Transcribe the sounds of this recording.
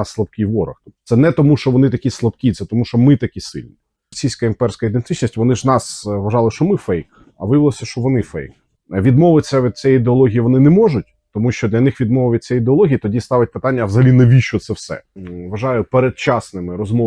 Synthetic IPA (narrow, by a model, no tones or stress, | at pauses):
sslˠɐpkʲɪjʋɔɾɐ̰xt̪ɔpɔt̪sɛnɛt̪ɔmuʃt͡ʃɔʋɔnɪt̪ɐkʲislˠɐpkʲit̪sɛt̪ɔmuʃt͡ʃɔmɪt̪ɐkʲisɪ̰lʲnʲi | sʲijsʲkɐimpɛrsʲkojid̪ent̪ɪt͡ʃnʲisʲtʲʋɔnɪʒnɑsʋɐʒɑlˠɪʃt͡ʃɔmɪfɛjk | ɐ̰ʋɪʋɪlˠɔsʲɐʃt͡ʃɔʋɔnɪfɛ̰jk | ʋʲid̪mɔʋɪt͡sʲːɐʋʲid̪̚t͡sʲɛjid̪eɔlˠɔɦʲijiʋɔnɪnɛmɔʒʊt̚ʲ | t̪ɔmuʃt͡ʃɔd̪lʲɐnɪxʋʲid̪mɔʋʊʋɪt̪̚ʲt͡sʲːɛjid̪eɔlˠɔɦʲijit̪ɔdʲist̪ɑʋɐt̚ʲpɪt̪ɑnʲːɐʋzɐɦɐlʲinɐʋʲiʃɔt̪sɛwsɛ̰ʋɐʒɑjʊpeɾed̪̚t͡ʃɑsnɪmɪɾɔzmɔ